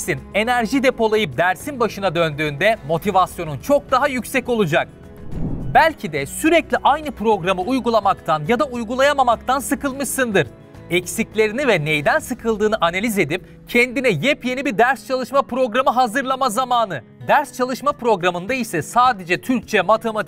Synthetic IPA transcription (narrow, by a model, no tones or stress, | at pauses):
sine̞næɾʒid̪e̞po̞lˠajɯp̚d̪æɾsinbaʃɯnad̪ø̞nd̪yːnd̪ɛmo̞t̪ʰivasjo̞nunt͡ʃʰo̞k̚d̪aɦajycsɛco̞lˠud͡ʒak̚ | bælʲcʰid̪ɛsyɾɛclʲiʔajnɯpʰɾo̞ɡɾamɯujɡulˠamakt̪ʰanjad̪aujɡulˠajamamak̚t̪ʰansɯkɯlˠmɯʃsɯnd̪ɯɾ̥ | ɛcsiclʲe̞ɾinivɛnejd̪ænsɯkʰɯlˠd̪ɯːnɯʔanalʲize̞d̪ip | cʰɛnd̪inɛjɛpje̞nibiɾd̪æɾst͡ʃʰalˠɯʃmapɾo̞ɡɾamɯɦazɯɾlˠamazamaːnɯ | d̪æɾst͡ʃʰalˠɯʃmapɾo̞ɡɾamɯnd̪aisɛsaːd̪e̞d͡ʒɛt̪ʰyɾc̚t͡ʃʰɛmat̪ʰe̞mat̪